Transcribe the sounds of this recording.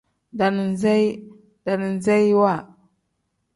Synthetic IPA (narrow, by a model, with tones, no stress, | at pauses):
da˨n˨n˨za˦j | da˨ni˨n˨za˦jwa˦˨